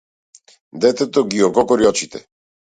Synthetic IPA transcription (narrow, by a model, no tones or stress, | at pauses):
d̪ɛt̪ɛt̪ɔɡiɔɡɔkɔɾiɔt͡ʃit̪ɛ̰